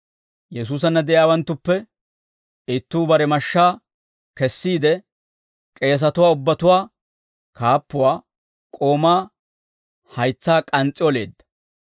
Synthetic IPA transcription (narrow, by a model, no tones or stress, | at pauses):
jɛs̬uːs̬ɐnːɐd̪ɛʔjaːwɐnt̪ːʊpːɛ | ɪt̪ːuːbɐɾɛmɐʃːaː | kɛsːiːd̪ɛ | kʼe̞ːs̬ɐt̪ʊwaːʊbːɐt̪ʊwaː | kaːpːʊwaː | kʼo̞ːmaː | hɐjt͡sːaːkʼɐnt͡sʼːɪɔle̞̰ːd̪ːɐ̥